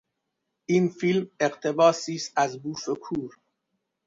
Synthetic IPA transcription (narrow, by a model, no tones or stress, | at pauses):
ʔiːnfilmeqt̪ʰe̞bɒːsiːst̪æzbuːfekʰuːɾ